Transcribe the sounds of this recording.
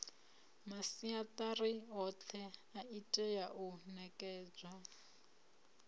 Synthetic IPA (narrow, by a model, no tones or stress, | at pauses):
masiatʼariɦɔt͡ɬʰɛaitʼɛjaʔunɛkʼɛːd͡zwa